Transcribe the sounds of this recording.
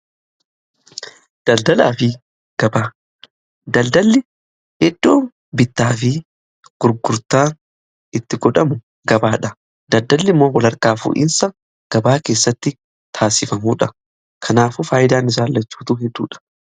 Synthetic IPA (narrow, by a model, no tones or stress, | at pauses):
d̪̥ɐld̪ɐla̰ːfɪ | ɡ̥ɐbaː | d̪ɐld̪ɐlːɪ | hɛd̪ːo̞ːn | bɪt̪ːaːfɪ | ɡ̥ʊɾɡʊɾt̪aː | ɪt̪ːɪɡɔᶑɐmʊ | ɡɐbaːᶑɐ | d̪ɐld̪ɐlːɪmːoːwɐlɐɾkaːfṵːʔɪ̰nsɐ | ɡ̥ɐbaːke̞ːsːɐt̪ːɪ | t̪ʰaːsɪfɐmuːᶑɐ | kʰɐnaːfʊfaːjɪd̪aːnɪs̬aːlːɐt͡ʃːu̥ːt̪uɦɛd̪ːṵːᶑɐ̥